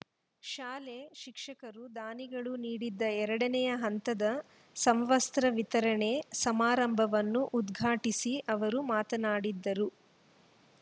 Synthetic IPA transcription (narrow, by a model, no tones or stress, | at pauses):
ʃaːleʃikʂɐkɐɾud̪aːniɡɐɭuniːɽid̪ːɐɛɾɐɽɐnɛjɐɦɐnt̪ɐd̪ɐ | sɐmʋɐst̪ɾɐʋit̪ɐɾɐɳe̞sɐmaːɾɐmbʱɐʋɐnːuʔud̪ɡʱaːʈisiʔɐʋɐɾumaːt̪ɐnaːɽid̪ːɐɾu